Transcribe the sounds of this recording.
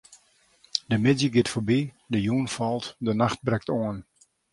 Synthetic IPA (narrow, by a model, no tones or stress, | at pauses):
dəmɪdjəɡɪtfobi | dəjuənfɔlˠtdənaxt̚brɛk̚toən